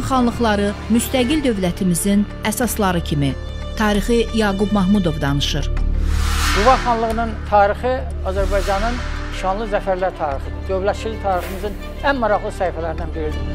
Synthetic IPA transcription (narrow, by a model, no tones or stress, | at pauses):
χɑnlˠɯχlˠɑɾɯmyst̪æɡild̪ø̞vlæt̪ʰimizin | æsɑslˠɑɾɯcʰimi | t̪ʰɑːɾiχijɑːɡubmɑɦmud̪o̞vd̪ɑnɯʃɯɾ | ɡuvɑχɑnlˠɯɣɯnɯnt̪ʰɑːɾixi | ɑzæɾbɑjd͡ʒɑnɯn | ʃɑnlˠɯzæfæɾlæɾt̪ʰɑːɾixɯd̪d̪ø̞vlæt̪t͡ʃʰilit̪ʰɑːɾixɯmɯzɯn | ænmɑɾɑɣlˠɯsæifælæɾid̪ænbiɾid̪i